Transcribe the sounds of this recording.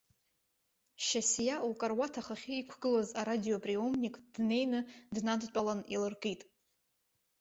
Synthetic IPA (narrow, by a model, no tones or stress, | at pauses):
ʃasjaukʼarwatʰaχaχʲɪikʷʰɡɨlazaɾadio̞pʼriomnikʼd̥ne̞jnɨdnadt͡ʃʷʼalanilɨrkʼitʼ